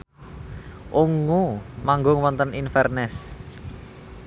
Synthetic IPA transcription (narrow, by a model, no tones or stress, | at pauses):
ʔuŋumaŋɡʊŋwɔnt̪əninfɛrnɛs